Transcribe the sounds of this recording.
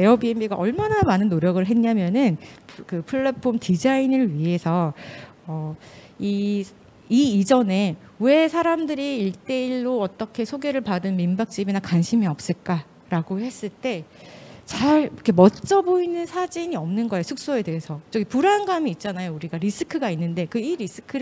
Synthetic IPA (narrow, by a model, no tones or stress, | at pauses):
eʌbiembiɡaʔʌɭmanamanɯnːoɾjʌɡɯɭɦe̞ɲamjʌnɯnkɯpʰɯɭːepʰomtid͡ʑainɯɭɥiɦe̞sʰʌː | i | iːd͡ʑʌne̞ | we̞sʰaɾamdɯɾiːɭt͈e̞iɭːoʌt͈ʌkʰe̞sʰoɡe̞ɾɯɭpadɯnmimbak̚t͡ɕ͈ibinakanɕʰimiʌp̚s͈ɯɭk͈a | ɾaɡohe̞s͈ɯɭt͈e̞t͡ɕaɭkʰemʌt͡ɕ͈ʌboinɯnsʰad͡ʑiɲiʌmnɯnɡʌejosʰuk̚s͈oe̞de̞ɦesʰʌt͡ɕ͈ʌɡipuɾanɡamiːt̚t͡ɕ͈anajouɾiɡaɾisʰɯkʰɯɡainːɯnde̞kɯiɾis͈ʰɯ̥kʰɯɾ